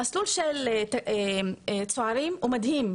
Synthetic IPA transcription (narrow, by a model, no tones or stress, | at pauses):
asluːlʃelt̪ | t͡sˤoʕɑɾiːmʔʊmad̪hiːm